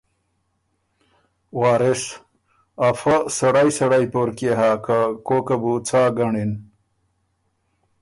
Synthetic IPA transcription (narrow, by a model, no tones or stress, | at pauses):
waːɾes | afɐsɐɽajsɐɽajpoɾkeɦaːkakoːkabut͡sʰaːɡɐɳin